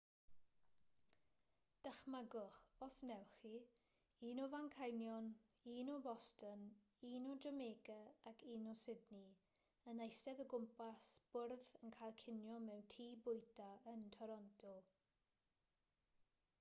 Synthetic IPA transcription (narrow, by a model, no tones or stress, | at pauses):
d̥əχmaɡʊχɔsnɛwχi | iːnɔvaŋkʰajnjɔniːnɔbɔstən | iːnɔdrəmeːɡəakʰiːnɔsɪdni | ənejsɛðəɡʊmpasb̥ʊrðənkʰajlˠkʰɪnjɔmɛwntʰiːbʊjtʰaəntʰɔɾɔntʰɔlˠ